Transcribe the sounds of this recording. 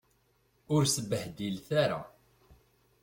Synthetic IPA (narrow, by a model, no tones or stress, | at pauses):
ʊɾsəbəhd̪ilθaɾa̰